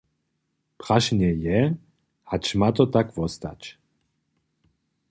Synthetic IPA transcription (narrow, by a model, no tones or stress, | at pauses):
pʁaʃnɛjɛ | hat͡ʃmat̪ɔt̪akvɔst̪a̰t͡ɕ